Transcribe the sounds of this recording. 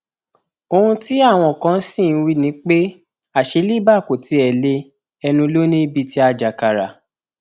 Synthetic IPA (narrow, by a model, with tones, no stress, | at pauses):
o˧hũ˧˦ti˦a˦˨w̃ɔ̃˧˨kã˨˧˦sĩ˦˨n˧wi˦nĩ˨˦k͡pe˦ | a˦˨ʃe˨˧˦li˦ba˦˨ko˨ti˧˦ɛ˨le˧ | ɛ˧nũ˧lo˦nĩ˦i˦bi˧ti˦a˦d͡ʒa˨ka˨ɾa˨